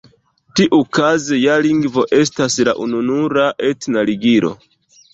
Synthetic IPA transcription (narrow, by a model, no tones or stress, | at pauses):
tiʔukazejaliŋɡvo̞ʔe̞stasla̰ʔununuɾaʔetnaliɡiɾo̞̰